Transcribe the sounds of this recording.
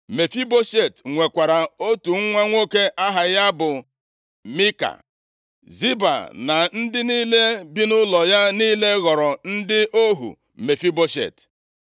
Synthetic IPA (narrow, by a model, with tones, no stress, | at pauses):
me˨fi˦bo˦ʃe˨tŋʷe˨kʷa˨ɾa˨o˦tu˨ŋ˦ŋʷa˦ŋʷo˦ke˦ʔa˦ɦa˨ja˦bʊ˨ | mi˦ka̰˨ | zi˦ba̰˨na˨n̩˦dɪ˦niː˦le˦bi˦nʊ˦lɔ˨ja˦niː˦le˦ɣɔ˨ɾɔ˨n̩˦dɪ˦ʔo˦ɦṵ˨ | me˨fi˦bo˦ʃḛ˦˨t